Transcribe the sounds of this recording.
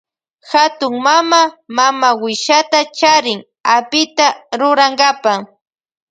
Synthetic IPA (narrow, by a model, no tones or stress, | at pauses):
xat̪ʊŋmamamamawɪʃat̪at͡ʃaɾɪŋ | apɪt̪aɾʊɾaŋɡapa